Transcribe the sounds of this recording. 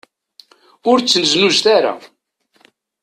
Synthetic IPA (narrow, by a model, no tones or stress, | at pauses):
ʊɾt͡sːənəznuʒt̪aɾa̰